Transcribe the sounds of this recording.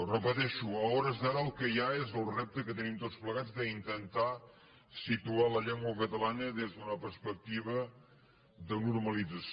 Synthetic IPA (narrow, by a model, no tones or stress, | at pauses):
rəpət̪ɛʃuəɔɾəzðaɾəːlˠkəjaezəlˠrep̚t̪əkət̪ənimt̪ot͡spləɣad͡zðəint̪ənt̪a | sit̪ualəʎɛŋɡwəkət̪əlanəðezðunəpəɾspək̚t̪iβə | ðənuɾməlid͡zəs